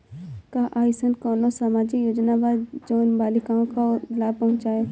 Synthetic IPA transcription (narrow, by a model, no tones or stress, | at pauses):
kaʔaːisənkɔːnosaːmaːd͡ʒijoːd͡ʒnabaːd͡ʒoːnbaːlɪkãːõkalaːbpɐɦʊ̃t͡ʃaːe